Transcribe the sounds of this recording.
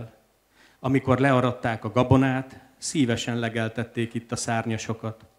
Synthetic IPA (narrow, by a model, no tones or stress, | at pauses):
l | ɒmiko̞rlɛɒɾɒt̪ːaːkɒɡɒbo̞naːt̪ | siːvɛʃɛnlɛɡɛlt̪ɛt̪ːeːkit̪ːɒsaːrɲɒʃo̞kɒt̪